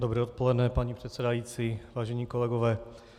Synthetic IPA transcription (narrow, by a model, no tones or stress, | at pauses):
dobɾɛːot̪̚po̞lɛdnɛpaɲipr̥ɛt̪sɛdajiːt͡siːvaːʒɛɲiːko̞lɛɡovɛː